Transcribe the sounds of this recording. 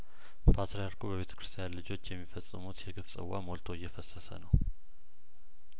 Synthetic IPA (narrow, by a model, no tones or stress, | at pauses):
pʰat̪ɾejaɾkʰubəβet̪ʰə̥kʰɾɨst̪ʰijanlɨd͡ʒo̞t͡ʃːjɛmːifəsʼːɨmut̪jɛɡɨfsʼɨ̰wːa̰molt̪ʰo̞ɪjːɛfəsəsə̰nəw